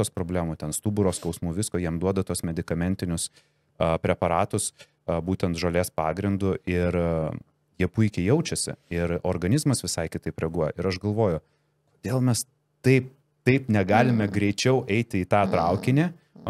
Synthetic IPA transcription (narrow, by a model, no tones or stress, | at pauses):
oːspɾoːbʲlʲæːmuːt̪ʲɛnst̪uːbʊɾoːskɒʊsmuːʋʲɪskoːjiɛmd̪uɔd̪ɐt̪uɔsmʲɛd̪ʲɪkɐmʲɛnʲt̪ʲɪnʲʊs | ɐpʲɾʲɛpɐɾɑːt̪ʊs | buːt̪ʲɛnt̪ʒɐlʲeːspɑːɡɾʲɪnd̪ʊʔɪɾ | jiɛpʊɪkʲɛɪjɛʊt͡ʃʲɛsʲɪ̰ɪɾoːɾɡɐnʲɪzmɐsʋʲɪsɐɪkʲɪt̪ɐɪpɾʲɛɡuɔjɛʔɪɾɐʃɡɐlˠʋoːjʊ | koːd̪ʲeːlˠmʲɛs | t̪ɐɪp̚ | t̪ɐɪpnʲɛɡɑːlʲɪmʲɛɡɾʲɛɪt͡ʃʲɛʊʔɛɪt̪ʲɪiːt̪ɑːt̪ɾɐʊkʲɪnʲe